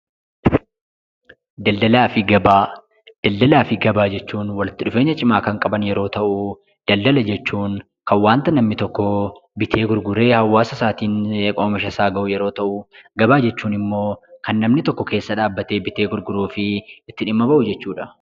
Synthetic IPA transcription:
d̪ɐld̪ɐlaːfɪɡɐbaː | d̪̥ɐld̪ɐlaːfɪɡɐbaːd͡ʒɛt͡ʃːuːnwɐlɪt̪ːɪᶑʊfeːɲːɐt͡ʃʼɪmaːkɐŋkʼɐbɐnjɛɾo̞ːt̪ɐʔu | d̪̥ɐld̪ɐlɐd͡ʒɛt͡ʃːuːn | kɐnwaːnt̪ɐnɐmnɪt̪ɔkːɔbɪt̪ʰe̞ːɡʊɾɡʊɾe̞ːhɐwːaːsɐsaːt̪iːneːkʼoːmɪʃɐsaːɡɐʔʊjɛɾo̞ːt̪ɐʔʊɡɐbaːd͡ʒɛt͡ʃːuːnɪmːo̞ːkɐnːɐmnɪt̪ɔkːɔke̞ːsːɐᶑaːbːɐt̪e̞ːbɪt̪eːɡʊɾɡʊɾuːfɪɪt̪ːɪᶑɪmːɐbɐʔʊd͡ʒɛt͡ʃːuːᶑɐ

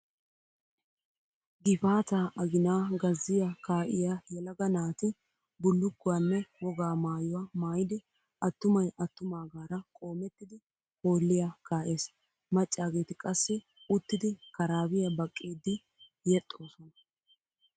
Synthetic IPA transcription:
ɡɪfaːt̪aːʔɐɡɪnaːɡɐzːɪjakaːʔɪ̰jajɛlɐɡɐnaːt̪ɪ | bʊlːʊkːʊwanːɛwɔɡaːmaːjʊwaːmaːjɪd̪ɪ | ɐt̪ːʊmɐjɐt̪ːʊmaːɡaːɾɐkʼo̞ːmɛt̪ːɪd̪ɪ | ho̞ːlːɪjakaːʔeːs | mɐt͡ʃʼːaːɡe̞ːt̪ɪkʼɐsːɪ | ʊt̪ːɪd̪ɪkɐɾaːbɪjɐbɐkʼːiːd̪ɪ | jɛt̪ʼːo̞ːsɔnɐ

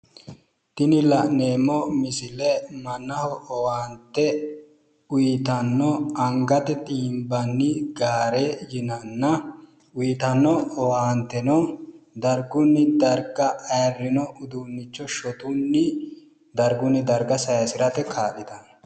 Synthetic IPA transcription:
t̪ɪnɪlɐʔne̞ːmːɔmɪsɪlɛmɐnːɐhɔɔwaːnt̪ːɛ | ʊjɪt̪ɐnːɔɐŋɡɐt̪ɛt̪ʼiːmbɐnːɪɡaːɾejɪnɐnːɐ | ʊjt̪ɐnːɔɔwaːnt̪ːɛnɔd̪ɐɾɡʊnːɪd̪ɐɾɡɐʔɐjɐrːɪnɔʔʊd̪unːɪt͡ʃːɔʃɔt̪ʼʊnːɪ | d̪ɐɾɡʊnːɪd̪ɐɾɡɐsɐjɐsɪɾɐt̪ɛkʰaːɗɪd̪ɐ

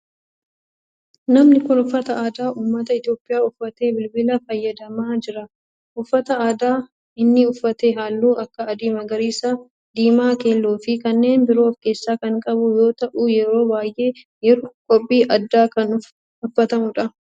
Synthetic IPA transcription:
nɐmnɪkʊnʊfːɐt̪ɐʔaːd̪aːʔuːmːɐt̪ɐɪt̪jo̞ːpʼːɪjaːʊfːɐt̪e̞ːbɪlbɪlɐfɐjːɐd̪ɐmaːd͡ʒɪɾɐ | ʔʊfːɐt̪ɐaːd̪aː | ɪnːɪʊfːɐt̪eːɦaːlːuːʔɐkːɐːd̪iːmɐɡɐɾiːsaː | d̪iːmaːke̞ːlːoːfɪkɐnːe̞ːnbɪɾo̞ːfke̞ːsːaːkɐŋkʼɐbʊjo̞ːt̪ɐʔuːjɛɾo̞ːbaːjʔe̞ː | jɛɾokʼɔpʼːiːʔɐd̪ːaːkɐnʊ | ʊfːɐt̪ɐmʊᶑɐ

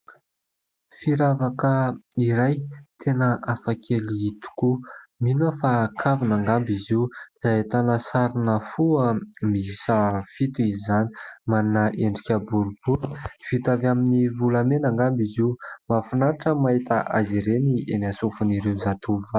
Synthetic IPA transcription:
fiɾavakəiɾajt̪ʰenəʔafakʰeliit̪u̥kuminəfakʰavinaŋɡambiziuz̥at̪anəsaɾinəfuəmiisafit̪uizizani̥manunaʔeɳɖ͡ʐikʲəbuɾub̥uɾfit̪avaminivulamenaŋɡambizimafunaɾaʈ͡ʂəmaɦit̪əʔaziɾenienasufuniɾewzat̪ʰuva

